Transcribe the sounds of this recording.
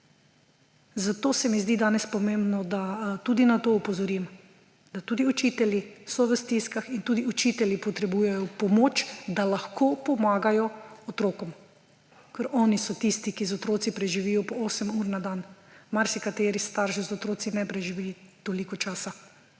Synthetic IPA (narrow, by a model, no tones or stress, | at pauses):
zat̪oːsɛmizd̪id̪aːnɛspɔmẽːmbnɔd̪at̪uːd̪inat̪oːupɔzɔɾim | d̪at̪uːd̪iut͡ʃiːt̪ɛljisɔʋəst̪iskaxint̪uːd̪iut͡ʃit̪ɛljipɔt̪ɾɛbujɛjɔpɔmot͡ʃd̪alaxkʰoːpɔmaːɡajɔɔt̪ɾoːkɔm | kəɾʔɔːnisɔt̪ist̪ikizɔt̪ɾoːt̪sipɾɛʒiʋiːjɔpɔoːsɛmuːɾnad̪anmaɾsikat̪eːɾist̪aɾʃizɔt̪ɾoːt̪sinɛpɾɛʒiʋilit̪olikɔt͡ʃaːsa